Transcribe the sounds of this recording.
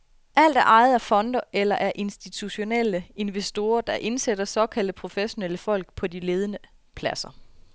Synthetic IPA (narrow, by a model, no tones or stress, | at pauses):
ʔæl̰d̥æɐʔɑ̈ɪð̩ˠæɐfɒ̽nd̥ɐelɐʔæɐʔe̝nsd̥it͡sʰuɕo̝neləe̝nʋesd̥o̝ːɐd̥ɑ̈ʔe̝nsed̥ɐsɒ̽kʰæl̰d̥əpʰʁo̝feɕo̝nel̰əfɒ̽l̰ɡ̥pʰɒ̽dile̝ːð̞ˠənə | pʰlæsɐ